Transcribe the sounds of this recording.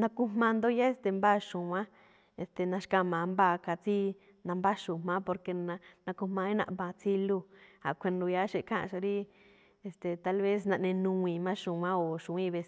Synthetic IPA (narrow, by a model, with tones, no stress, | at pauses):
nã˧ku˧mmã˧nd̪o˧ja˦e˧st̪e˨mba˦ʃũ˨wã˦ | e˧˨st̪e˨nã˧ʃkã˧˨mã˨˧mba˦˧˨ka˧t͡si˦ | nã˧mba˦ʃu˨m̥mã˦po˧ɾke˧nã˧nã˧ku˧mã˧i˦nã̰˧ʔbã˧t͡si˦lu˧ha˨kʷʰe˧nu˧ja˦ʃe˧˨kʰã˦ʔʃa˧ɾi˦ | e˧st̪e˨t̪a˧lβe˦s̬nã˧ʔnẽ˧nũ˧ĩ˨mã˦ʃũ˨wã˦o˨ʃũ˨˧ĩ˦˧βe˧s